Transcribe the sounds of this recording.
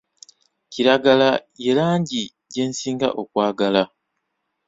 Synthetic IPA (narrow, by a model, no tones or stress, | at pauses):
ciɾaɡalaje̞laːɲɟi | ɟe̞ːnsiːŋɡa̰ʔo̞kwaːɡala